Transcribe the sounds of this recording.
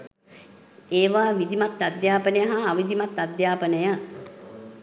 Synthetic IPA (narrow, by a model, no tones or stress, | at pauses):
eːʋaːʋid̪imat̪ːad̪jaːpənəjəɦaːʋid̪imat̪ːad̪jaːpənəjə